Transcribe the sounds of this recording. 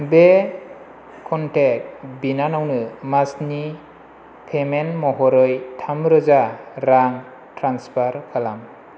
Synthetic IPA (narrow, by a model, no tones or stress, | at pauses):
be | kʰɔntek̚binanawnɯmasni | pʰemenmɔɦɔɾɯjtʰamɾɯzaɾaŋ | tɾanspʰaɾkʰalam